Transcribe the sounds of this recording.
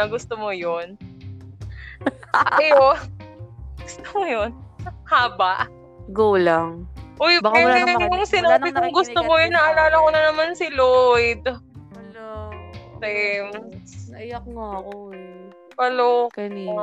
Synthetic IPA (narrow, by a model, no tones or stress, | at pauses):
ɐɡʊst̪omojon | ʔɐjo | ɡ̥ʊst̪o̥mojonhaːbɐʔ | ɡuːlaŋʔojbaɐɐʊŋsɪnaːbɪk̪ʊŋɡʊst̪omojʊnːɐʔɐlaːlɐkonɐnɐmansɪlojd̪̚lot̪ajmsɐjɐk̚ŋako | pɐloknː